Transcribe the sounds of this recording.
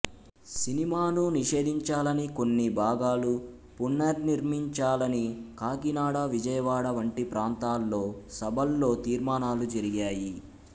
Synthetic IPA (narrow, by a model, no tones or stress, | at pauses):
sinimaːnuniʃe̞ːd̪ʱiɲt͡ʃaːlɐniko̞nːibʱaːɡaːlu | punːɐɾniɾmiɲt͡ʃaːlɐnikaːɡinaːɽɐʋid͡ʒɐjɐʋaːɽɐʋɐɳʈipɾaːnt̪aːlːo̞ːsɐbʱɐlːo̞ːt̪iːɾmaːnaːlud͡ʒɐɾiɡaːji